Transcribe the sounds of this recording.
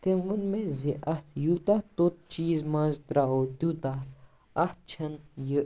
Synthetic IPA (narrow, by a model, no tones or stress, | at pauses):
t̪enʋunmẽziʔɐt̪ʰjut̪at̪ot̪̚t͡ʃiːzmɐ̃zt̪ɾaot̪ʲut̪a | ɐht̪̚t͡ʃʰɐnjə